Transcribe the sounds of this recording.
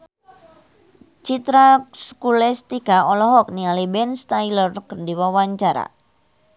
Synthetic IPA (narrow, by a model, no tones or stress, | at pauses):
t͡ʃit̪ɾaskulɛst̪ikaɔlɔɦɔk̚nialibɛnst̪ajlərkərdiwawaɲt͡ʃaɾa̰